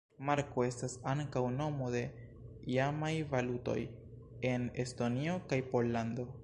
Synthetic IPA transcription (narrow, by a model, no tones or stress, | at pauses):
maɾko̞e̞stasaŋkawno̞mo̞de̞ | iamajvaluto̞̰j | e̞ne̞sto̞nio̞kajpo̞lːando̞